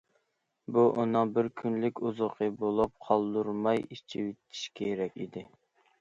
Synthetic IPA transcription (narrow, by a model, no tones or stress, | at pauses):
buʔunɨŋbɪɾkʲʰynlɪkʲuzʊqʰɨbolˠup̚qʰɑlˠd̪uɾmɑjit͡ʃʰiwit̪ʰi̥ʃkʲʰeɾɛkʲḭd̪ɪ